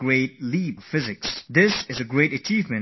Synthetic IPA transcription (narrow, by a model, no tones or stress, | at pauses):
ɹeɪt̚liʌv̥fɪzɨksðɪsɨzɨɡɹeɪɾɨt͡ʃʰivmɨ̃n